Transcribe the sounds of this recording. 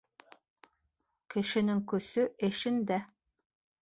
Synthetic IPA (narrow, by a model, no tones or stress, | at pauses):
kɘ̆ʃɘ̆nɘŋkɵ̆sɵʔɘ̆ʃɘnd̪æ